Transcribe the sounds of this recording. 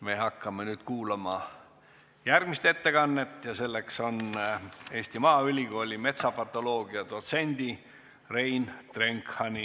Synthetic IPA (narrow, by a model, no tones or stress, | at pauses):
me̞ɦɑkːɑmenyːd̪̥kuːlɑmɑ | jærɡ̥mist̪e̞t̪ːe̞ɡɑnːe̞t̪ːˑjɑse̞lːe̞kso̞n | e̞ːsʲt̪imɑːylʲiɡo̞ːlʲime̞t̪sɑpɑt̪ːˑo̞lo̞ːɡ̥iɑd̪̥o̞t̪se̞nʲd̪̥i | re̞jnt̪re̞ŋkhɑni